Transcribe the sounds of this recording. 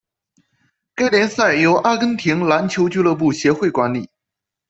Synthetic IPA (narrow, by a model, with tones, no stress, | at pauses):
ka˥ɪljɛ˧˥nsa˥˩ɪjo˧˥ʊʔa˥kə˥ŋt̪ʰi˧˥ŋla˧˥nt͡ɕʰjo˧˥ʊt͡ɕy˥˧lɤ˥˧p̬u˥˩ɕjɛ˧˥xwe˥˩ɪkwa˧˥nlḭ˨˩˦